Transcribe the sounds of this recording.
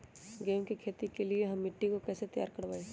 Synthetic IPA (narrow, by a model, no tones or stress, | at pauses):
ɡeːmkikʰeːt̪ikelieɦɐmːɪʈːikokɛːset̪ɐja̰ːɾkɐɽʋaːeː